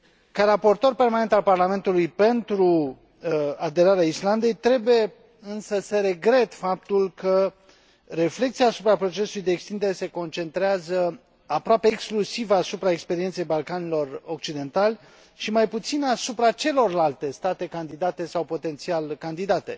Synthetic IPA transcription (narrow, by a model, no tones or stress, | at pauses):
kaɾapo̞rt̪o̞rpe̞rmane̞nt̪alparlame̞nt̪ulujpe̞nt̪ɾu | ad̪e̞ɾaɾeaisland̪e̞jt̪ɾe̞buje̞ | ɨnsəsəɾe̞ɡɾe̞t̪fap̚t̪ulkə | re̞fle̞k̚t̪siaːsupɾapɾo̞t͡ʃe̞sulujd̪eːkst̪ind̪eɾe̞se̞ko̞nt͡ʃe̞nt̪ɾeazə | apɾoapeːksklusivasupɾaekspe̞ɾient̪se̞jbalkanilo̞ro̞k̚t͡ʃid̪e̞nt̪alʲ | ʃimajput̪sinasupɾat͡ʃe̞lo̞rlalt̪e̞st̪at̪e̞kand̪id̪at̪e̞sawpo̞t̪e̞nt̪sialkand̪id̪at̪e̞̰